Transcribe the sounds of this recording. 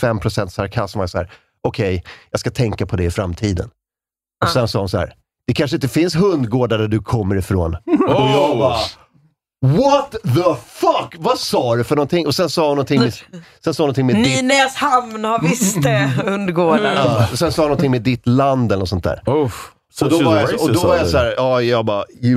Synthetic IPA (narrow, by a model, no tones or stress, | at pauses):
fɛmːpʰɾʊsɛnt̪saɾkʰast̪majasɔhæ̰ːɾ | ɔkʰɛjjɑːskat̪ʰɛŋkapʰɔd̪ɛɪfɾamːt̪ʰiːd̪ə̰n | ɔsɛnsɑːhʊnsahæ̰ːɾ | d̪̥ɛkʰanʂəɪnt̪əfɪnsɦɵnd̪ɡoːɖaɖæɖɵkʰɔmːəɾɪfɾo̰ːn | vɔt̪ðəfɐkvasɑːɾʉfœɳɔnt̪ɪŋʔɔsɛnsɑːhʊnɔnt̪ʰɪŋmɛsɛnsɑːhnɔt̪ʰɪŋmeinɛshamnhavɪst̪əhɵnd̪ɡoːɖaɑɔsɛnsɑːhʊnɔnt̪ʰɪŋmed̪ɪt̪land̪ɛlənɔsɔnt̪d̪æ̰ːɾ | ɔd̪ɔvaɾjaɔd̪ɔvaɾjasæːɾɑːjɑːɡbɑj